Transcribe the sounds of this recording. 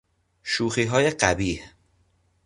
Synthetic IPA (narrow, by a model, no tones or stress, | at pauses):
ʃuːxiːɦɒːjeɢæbiːh